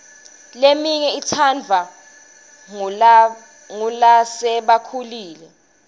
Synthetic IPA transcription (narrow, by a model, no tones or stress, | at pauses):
lemiɲɛitʰand͡vʱa | ŋulasɛɓakʰuliːlɛ